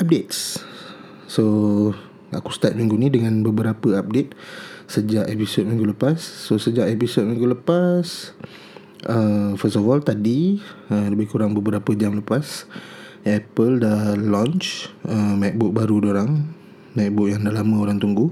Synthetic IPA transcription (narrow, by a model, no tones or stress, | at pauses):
ap̚det̪̚s | so | aku̥st̪at̪̚mĩŋɡunidəŋãnbəbəɾapəap̚det̪̚səd͡ʒaʔepisot̚mĩŋɡuləpasːosəd͡ʒaʔepisot̚mĩŋɡuləpas | ʔəfəst̪ɔfɔlt̪adiələbɪhkuɾaŋbəbəɾapəd͡ʒamləpas | ɛpəldalɔ̃nt͡ʃəmɛk̚bʊk̚baɾudoɾaŋ | mɛk̚bʊk̚jaŋdalamə̃oɾaŋt̪uŋɡu